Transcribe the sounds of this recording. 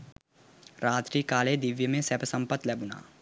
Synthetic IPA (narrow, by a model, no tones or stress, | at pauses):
ɾaːt̪ɾiːkaːled̪ɪʋjəmẽsɛpəsə̃mpət̪lɛbʊna̰ː